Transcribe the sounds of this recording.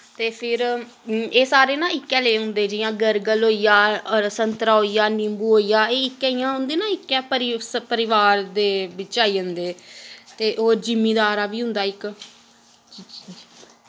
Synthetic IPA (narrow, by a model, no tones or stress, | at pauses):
t̪eːpʰɪɾ | eːsaːɾeːnãːɪkːɛːleːɦʊ̃nd̪eːd͡ʒɪjãːɡəɾɡəlɦoːijaːɔɾsənt̪ɾaːɦoːiːjaːnɪmbuːɦoːijaːeːɪkːɛijãːɦʊ̃nd̪eːnãːɪkːɛːpəɾɪpəɾɪʋaːɾd̪eːʋɪt͡ʃaːiːɦʊnd̪eːt̪eːʔoːɾd͡ʒɪmːiːd̪aːɾaːʋiːɦʊ̃nd̪aːɪk